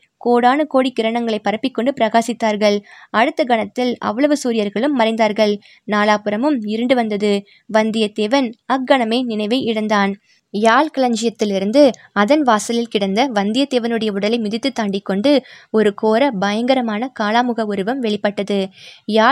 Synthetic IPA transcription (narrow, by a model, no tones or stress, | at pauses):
koːɽaːnɯkoːɽikːɪɾɐɳɐŋɡɐɭɐɪpːɐɾɐpːɪkːɔɳɖɯpɪɾɐɣaːsɪt̪ːaːɾɣɐɭɐɽɯt̪ːɐɡɐɳɐt̪ːɪlɐ̰ʋːɐɭɐʋɯsuːɾɪjɐɾɣɐɭɯmːɐɾɐɪnd̪aːɾɣɐɭ | naːlaːpɯɾɐmɯmɪɾɯɳɖɯʋɐnd̪ɐðɯ | ʋɐnd̪ɪjɐt̪eːʋɐnɐk̚ɡɐɳɐmeːnɪnɐɪʋɐɪʔɪɽɐnd̪aːn | jaːlkɐɭɐɲd͡ʒɪjɐt̪ːɪlɪɾɯnd̪ɯ | ɐðɐnʋaːsɐlɪlkɪɽɐnd̪ɐʋɐnd̪ɪjɐt̪eːʋɐnɯɽɐjɐʊɽɐlɐɪmʊðɪt̪ːɯt̪ːaːɳɖɪkːɔɳɖɯɔɾɯkoːɾɐbɐjɐŋɡɐɾɐmaːnɐkaːlaːmɯɣɐʊɾɯʋɐmʋɛɭɪpːɐʈːɐðɯjaː